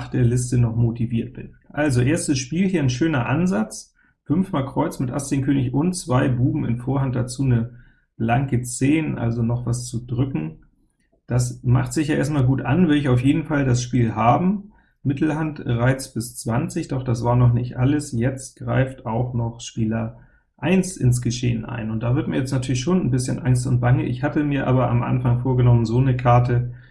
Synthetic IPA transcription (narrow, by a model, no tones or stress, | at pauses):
χd̥eːɐlɪstənɔχmotiviːɐt̚b̥ɪnʔalzoʔeːɐstəsʃpiːlhiːɐnʃøːnɐʔanzat͡s | fʏnfmaːlkʁ̥ɔʏt͡smɪtʔa̰st͡senkʰøːnɪçʊnt͡sv̥aɪbuːbm̩ɪ̰nfoːɐhant̚d̥at͡suːnə | b̥laŋkət͡seːnʔa̰lzonɔχv̥ast͡sudʁʏkŋ̩ | d̥asmaχtz̥ɪçjaːʔḛɐstmaːlɡuːtʔanvɪɐdəɪçaʊfjeːdn̩faldasʃpiːlhaːbm̩ | mɪtl̩hantəʁaɪt͡sb̥ɪst͡sv̥ant͡sɪçd̥ɔχd̥asv̥aːɐnɔχnɪçtʔaləsjɛt͡st̚ɡ̥ʁa̰ɪftaʊxnɔχʃpiːlɐ | ʔaɪnsɪ̰ns̬ɡ̥əʃḛːənʔa̰ɪnʊnt̚d̥aːvɪɐtmiːɐjɛt͡snatʰyːɐlɪçʃoːnnbɪsçənʔaŋstʊnt̚b̥aŋəʔɪ̰çhatəmiːɐʔa̰ːbɐʔa̰mʔa̰nfaŋfoːɐɡənɔmənzoːnəkʰaɐtə